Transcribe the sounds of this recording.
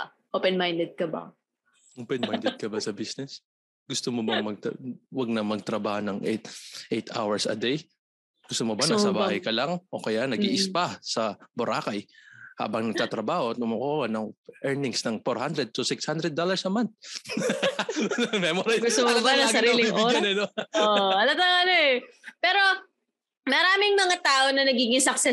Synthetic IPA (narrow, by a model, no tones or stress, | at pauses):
ʔopɛnmajnd̪ɛd̪̚kɐba̰ | ʔopɛnmajnd̪ɛd̪̚kɐbɐsɐbisnɛs | ɡʊst̪omobɐŋmɐɡ̚t̪wɐɡ̚nɐmɐɡ̚t̪ɾɐbaːhonɐŋʔɛ̰t̪ʔejt̪a̰wɛɹsɐ̰d̪ɛj | ɡ̥ʊst̪omobanɐsɐbahɐjkɐlɐŋʔo̰ːkɐjanɐɡiːʔɪspasɐbʊɾʔaːkɐjha̰ːbɐŋnɐɡ̚t̪aːt̪ɾɐbaːhot̪ʊmʊkoːwɐnɐŋʔɛɹnɪŋsnɐŋfoɾhand̪ɾɛd̪̚t̪ʊsɪkshand̪ɾɛd̪ːolɐɹsɐmant̪̚ | mɛmoɾɐjɡʊst̪omobanɐsɐɾiːlɪŋʔoɐnɛnooʔɐnɐt̪ɐɐnoʔɛpɛːɾo̞ | mɐɾaːmɪŋmɐŋat̪aːʔo̞nɐnɐɡiːɡɪŋsɐksɛ